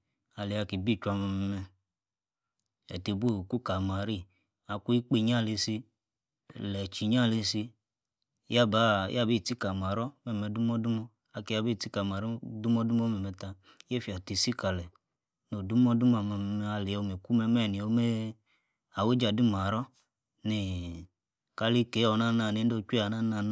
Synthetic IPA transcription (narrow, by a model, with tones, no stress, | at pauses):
a˧le˨a˧ki˨bi˦˨t͡ʃu˧˦a˧ma˧mɛ˧mɛ˧ | ɛ̰˨te˧bo˦˨ku˦ka˨ma˨ɾi˦˨ | a˧ku˦i˦k͡pe˧˨ɲ˦a˦˨le˧si˧ | lɛ˨t͡ʃi˨ɲa˦˨le˧si˧˦ | ja˦˨ba˨˦jʔa˦˨be˦˨ti˦ka˨ma˨ɾɔ˦mɛ˦˨mɛ˧˦du˦m˦ɔ˦du˦mɔ˧ | a˧ke˨˦ja˦bi˦˨ti˦ka˨ma˨ɾi˦du˦m˦ɔ˦du˦m˦ɔ˦mɛ˨mɛ˧ta˧ | je˦fi˨a˨ti˧si˦ka˨lɛ˨ | no˨du˦m˦ɔ˦du˦ma˨mɛ˧m˧m˧a˧le˨o˧˨me˨ku˦mɛ˧mɛ˦˨ni˨o˧˦me˦ | a˨we˦d͡ʒa˨du˦ma˨ɾɔ˦ | ni˨ | ka˧li˧ke˨˦ɔ˨na˦na˧˨ne˨˦n˦do˦˧˦t͡ʃʷa˨na˦na˧˨n˦